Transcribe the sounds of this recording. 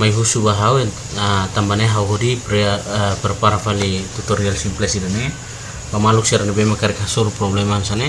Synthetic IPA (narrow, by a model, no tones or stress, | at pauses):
majɦusubaɦawe | atambaneɦawɦudipɾpeɾpaɾafalit̪utoɾialsimplesidane | bamaluksiaɾanebejmakaɾikasoɾupɾoblemamsane